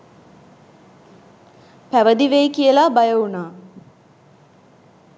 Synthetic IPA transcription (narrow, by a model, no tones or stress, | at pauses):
pæʋəd̪iʋejkijəlabajəunaː